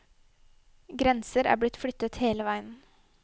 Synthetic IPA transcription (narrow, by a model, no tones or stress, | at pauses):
ɡɾɛnsəɾæ̰ːb̪ɪt̪flʏt̪ːət̪heːləʋæɪən